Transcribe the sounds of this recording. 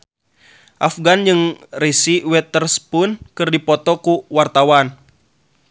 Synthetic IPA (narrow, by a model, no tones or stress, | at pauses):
ʔafɡand͡ʒɨŋrisiwɛt̪ərspʊnkɨrdipɔt̪ɔkuwart̪awan